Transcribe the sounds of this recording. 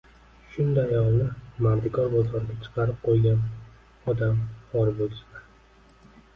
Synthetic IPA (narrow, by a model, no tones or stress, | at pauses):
ʃʊnd̪ajɒlˠnɪmaɾd̪ɪkʰɒɾbɒzɒɾɡʲat͡ʃʰɨ̥qɑɾɪp̚qʰojɡʲan | ɒd̪amhɒɾbolʲɪsma